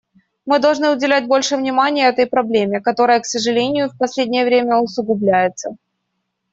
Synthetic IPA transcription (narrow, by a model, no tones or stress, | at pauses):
mɨd̪ɐlˠʐnɨʊdʲɪlʲæt̚ʲbo̞lʲʂɨvnʲɪmanʲɪjəɛt̪əjpɾɐblʲemʲɪkɐt̪o̞ɾəjəksəʐɨlʲenʲɪjʊfʲpɐsʲlʲedʲnʲɪjəvɾʲemʲəʊsʊɡʊblʲæjɪt̪sə